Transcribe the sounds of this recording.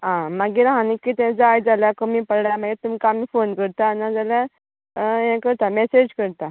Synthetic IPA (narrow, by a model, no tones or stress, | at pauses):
ɦãmaɡiɾaɦãnikːiːt̪ɛ̃d͡zajd͡zaljakəmiːpəɽɽjamaɡet̪umkaamiːfonkəɾt̪anad͡zalja | jɛ̃kəɾt̪amɛsed͡ʑkəɾt̪a